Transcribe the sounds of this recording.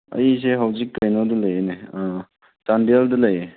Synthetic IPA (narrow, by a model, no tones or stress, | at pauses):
ɐ̰jis̬eɦawzikːɐjnadulɐjenea | tandialdɐlɐje